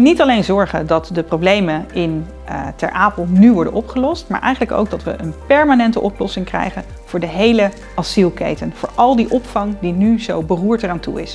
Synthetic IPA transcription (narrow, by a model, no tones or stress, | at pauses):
nitɑlejnzɔɹχəndɑtdəprowblejmənɪn | tɛ̰ɹʔaːpəlˠnyʋɔɹdə̰nʔɔpχəlɔstmaːɹʔɛ̰jχənləko̰wɡ̚dɑtʋə̰ʔənpɛɹmaːnɛntə̰ʔɔplɔsɪŋkrɛ̰jχən | v̥ʊːɹdəɦejlə | ʔɑsilˠkḛjtənv̥ʊːɹʔɑlˠdiʔɔpfɑŋdinyzowbəruːɹtəraːntṵɪ̰s